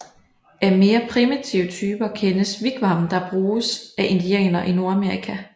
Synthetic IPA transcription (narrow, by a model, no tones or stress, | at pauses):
æɐme̝ːɐpʰʁimit͡sʰiʊət͡sʰyːb̥ɐkʰenəsʋiɡ̥ʋɑ̈md̥ɑ̈b̥ʁuːsʔæʔend̥iɛ̰ːnɐʔino̝ɐæme̝ɐʁikʰæ